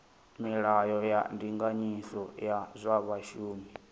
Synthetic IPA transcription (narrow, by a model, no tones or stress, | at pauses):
miɺajɔja̰ndiŋɡaɲisɔjazʷaβaʃuːmi